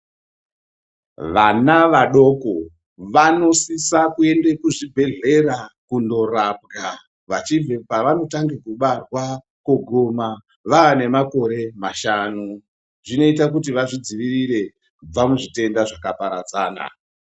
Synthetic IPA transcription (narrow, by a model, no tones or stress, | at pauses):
ʋanaʋaɗo̞ko̞ | ʋano̞sisakue̞nde̞kuʐibʱe̞ɮe̞rakundo̞rap̚ɡa | ʋat͡ʃiepaʋano̞taŋɡekuɓarwa | koɡʱoma | ʋaʋane̞mako̞ɾe̞maʃanu | ʐino̞itak̬ut̬iʋaʐid͡ziʋiriɾe̞ | kub͡vamuʐite̞ndaʐakapaɾad͡zaːna̰